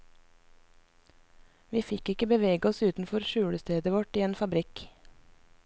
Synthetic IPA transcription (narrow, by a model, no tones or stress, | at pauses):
ʋiːfɪkɪkəbəʋeːɡəɔsʉːt̪n̩fɔɾʃʉːɽəst̪eːd̪əʋɔʈiːeːnfɑbɾɪk